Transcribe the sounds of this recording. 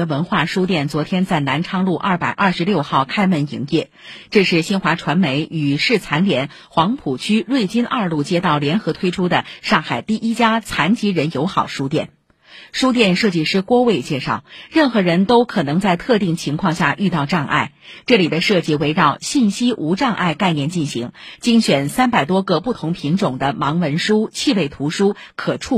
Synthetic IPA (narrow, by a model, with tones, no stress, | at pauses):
ə˧wə˧˥nxwa˥˩ʂu˥t̪jɛ˥˩nt͡swɔ˧˥t̪ʰjɛ˥nt͡sa˥˩ɪna˧˥nʈ͡ʂʰɑ˥ŋlu˥˧ʔɐ̰˥˩pa˨˩ɪʔɐ˞˥˩ʂɻ̩˧˥ljo˥˧ʊxɑ˥˩ʊkʰa˥ɪmə˧˥˩nḭ˧˥ŋjɛ˥˩ | ʈ͡ʂɤ˥˧ʂɻ̩˥˩ɕi˥nxwa˧˥ʈ͡ʂʰwa˧˥nme˧˥ɪy˨˩ʂɻ̩˥˩t͡sʰa˧˥nljɛ˧˥n | xwɑ˧˥ŋpʰu˨˩t͡ɕʰy˥ɻwe˥˩ɪt͡ɕi˥nʔɐ˞˥˧lu˥˩t͡ɕjɛ˥t̪ɑ˥˩ʊljɛ˧˥nxɤ˧˥t̪ʰwe˥ɪʈ͡ʂʰu˥d̪ə˨ʂɑ˥˩ŋxa˨˩ɪt̪i˥˩ʔi˥t͡ɕja˥t͡sʰa˧˥nt͡ɕi˧˥ɻə˧˥njo˧˥ʊxɑ˨˩ʊʂu˥t̪jɛ̰˥˩n | ʂu˥t̪̬jɛ˥˧nʂɤ˥˧t͡ɕi˥˧ʂɻ̩˥˩kwɔ˥we˥˧ɪt͡ɕjɛ˥˧ʂɑ˥˩ʊɻə˥˩nxɤ˧˥ɻə˧˥nt̪o˥ʊkʰɤ˨˩nɤ˧˥ŋt͡sa˥˧ɪt̪ʰɤ˥˧t̪i˥˩ŋt͡ɕʰi˧˥ŋkʰwɑ˥˧ŋɕja˥˧˩ʔy˥˧t̪ɑ˥˧ʊʈ͡ʂɑ˥˧ŋʔa̰˥˩ɪ | ʈ͡ʂɤ˥˩li˨˩d̪ə˦ʂɤ˥˧t͡ɕi˥˩we˧˥ɪɻɑ˥˧ʊɕi˥˩nɕi˥ʔu˧˥ʈ͡ʂɑ˥˧ŋʔa̰˥˧ɪka˥˧ɪnjɛ˥˩nt͡ɕi˥˩nɕi˧˥ŋt͡ɕi˥ŋɕɥɛ˨˩nsa˥npa˨˩ɪt̪̬wɔ˥ɡɤ˧pu˥˩t̪ʰʊ˧˥ŋpʰi˧˥ŋʈ͡ʂʊ˨˩ŋd̪ə˦mɑ˧˥ŋwə˧˥nʂu˥t͡ɕʰi˥˧we˥˩ɪt̪ʰu˧˥ʂu˥kʰɤ˨˩ʈ͡ʂʰu˥˩